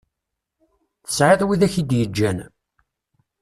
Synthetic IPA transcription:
θə̥sʕɪðˤwiðæçid̪jəd͡ʒːæn

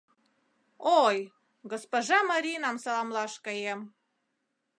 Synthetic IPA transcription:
oj | ɡospoʒɑmɑɾʲinɑmsɑlɑmlɑʃkəjem

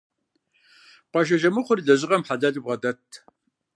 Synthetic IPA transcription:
pʷɑʒ̬ɐʒɐmɨχʷʊɾiɮɐʑɪʁɐmħaɮaːɮib̚ʁɐdɐtʰː

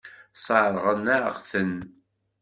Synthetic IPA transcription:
sˤɑɾˤʁənæʁθən

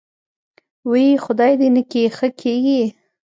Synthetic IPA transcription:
wajixʊd̪ɑjd̪enəkexəkʰeɡi

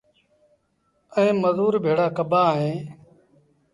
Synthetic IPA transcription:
əẽːməzuːɾbʱeːɽaːkəbaːɦẽː

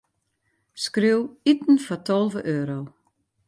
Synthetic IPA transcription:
skriwitn̩fɔtʰɔlˠvəʔøːɾow

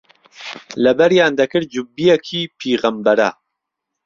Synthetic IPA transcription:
lɛbɛɾjaːnd̪ɐkɨɾd͡ʒubːijɛkʰiːpʰiːɣɐmbɛɾa̰

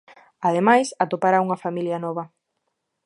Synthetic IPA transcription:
að̞emajsat̪opaɾauŋɐfamiljɐnɔβ̞ɐ

